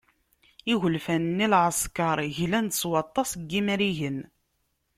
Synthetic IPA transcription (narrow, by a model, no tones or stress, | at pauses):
iʝəlfænnːilʕəskɑɾˤʝlænd̪əswɑt̪ˤːɑsɡːimæɾiʝən